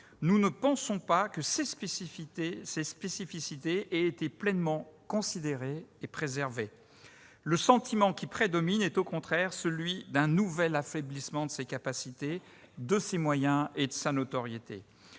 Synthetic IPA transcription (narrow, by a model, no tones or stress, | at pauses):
nunəpɑ̃sɔ̃pakəses | sespesifisit̪eɛet̪eplɛnmɑ̃kɔ̃sid̪eʁeːpχezɛʁve | ləsɑ̃t̪imɑ̃kʲipχed̪ɔminɛt̪okɔ̃t̪χɛʁsəlɥid̪ɛ̃nuvɛlafeblismɑ̃d̪əsekapasit̪e | d̪əsemwajɛ̃ed̪əsanot̪ɔʁjet̪ḛ